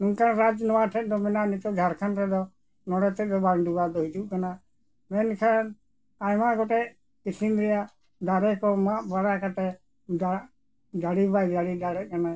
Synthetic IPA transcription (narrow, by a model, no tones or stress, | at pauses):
nuŋkanɾad͡ʒnɔwaʈʰɛt̪̚ˀd̪ɔmɛnaʔnit͡ʃ̪ɔɡʱaɾkʰanɾɛd̪ɔ | nɔɽɛt̪ɛt̪̚d̪ɔbanɖubad̪ɔɦid͡ʒuʔ̚kana | mɛnkʰan | ajmaɡɔʈɛ | kisinɾɛja | d̪aɾɛkɔmaʔbaɾakat̪ɛ | a | daɽibajdaɽid̪aɽɛt̪̚kana